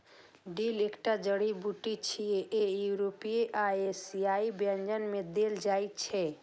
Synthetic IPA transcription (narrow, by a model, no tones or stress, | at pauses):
ɖilekʈad͡ʒəɽibuʈit͡ʃʰijeʔejuɾopieʔaesiaibə̃nd͡ʒənmed̪eld͡ʒajt̪t͡ʃʰɛ